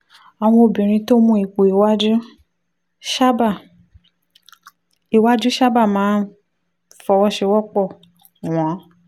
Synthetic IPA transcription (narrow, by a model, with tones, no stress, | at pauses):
a˨w̃ɔ̃˧o˧bĩ˨ɾ̃ĩ˧to˦mũ˧˦i˨ku˨i˨wa˦d͡ʒu˦ | ʃa˦ba˦˨ | i˨wa˦d͡ʒu˦ʃa˦ba˦˨mãː˨˦n˦ | fɔ˧wɔ˦ʃɛ˧wɔ˦k͡pɔ˦˨ | w̃ã˨˦